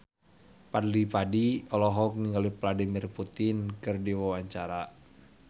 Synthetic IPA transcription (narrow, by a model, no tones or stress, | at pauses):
padlipadiɔlɔɦɔk̚niŋɡalipladimirput̪ɪnkɨrdiwawaɲt͡ʃaɾa